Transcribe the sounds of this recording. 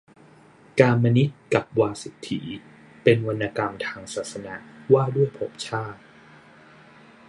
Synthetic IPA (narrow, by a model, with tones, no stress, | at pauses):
kaː˧mːa˧ni˦˥t̪̚ka˨˩p̚waː˧si˨˩t̪ʰːḭ˩˦ | pe˧nwa˧nːaː˧ka˧mt̪ʰaː˧ŋsaː˨˩t̪̚sa˧na˩˦ʔwaː˥˩du˥˩əjpʰo˦˥p̚t͡ɕʰaː˥˩t̪̚